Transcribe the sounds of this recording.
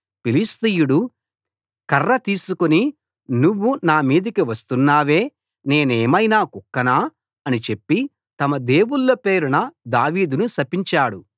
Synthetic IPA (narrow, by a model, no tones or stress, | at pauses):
pilist̪ijuɽu | kɐrːɐt̪iːsukoni | nuʋːunaːmiːd̪ɐkiʋɐst̪unːaːʋe̞ː | ne̞ːneːmɐjnaːkukːɐnaː | ɐnit͡ʃe̞pːi | t̪ɐmɐd̪e̞ːwuɭːɐpeːɾunɐd̪aːʋiːd̪unusɐpiɲt͡ʃaːɽu